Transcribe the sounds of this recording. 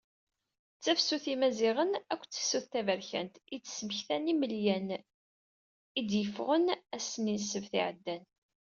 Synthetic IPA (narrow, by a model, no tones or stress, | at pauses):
t͡sːæfsuθimæziʁənækʷːt͡sːə̥suθθævəɾçæ̰nt̪it͡sːə̥sməçθæniməljæn | id̪jəfʁənæsəninsəvθḭʕəd̪ːæn